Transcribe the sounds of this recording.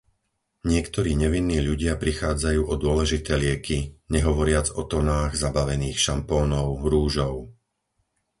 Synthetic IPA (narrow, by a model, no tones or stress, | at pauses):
ɲɪɛkt̪ɔɾiːɲɛʋinːiːʎuɟɪapɾixaːd͡zajuːʔɔd̪ʊɔlɛʒit̪ɛːlɪɛkiɲɛɦɔʋɔɾɪad͡zɔt̪ɔnaːɣzabaʋɛniːxʃampɔːnɔʊɾuːʒɔʊ